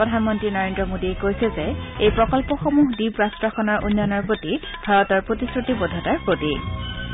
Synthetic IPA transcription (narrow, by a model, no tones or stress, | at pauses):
pɹɔdʱanmɔntɹinɔɹendɹɔmodiekojsɛzɛejpɹɔkɔlpɔxomuɦdibɹastɹaxɔnaɹʔonːanɔɹpɹoti | bʱaɹɔtɔɹpɹotisɹutibɔdʱɔtaɹpɹoti